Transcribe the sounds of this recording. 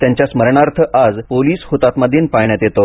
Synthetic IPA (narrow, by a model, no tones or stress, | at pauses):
t̪jaɲt͡ɕjasməɾɳaɾt̪ʰəʔad͡zpoliːshot̪at̪məd̪ʱːiːnpajɳjat̪jet̪o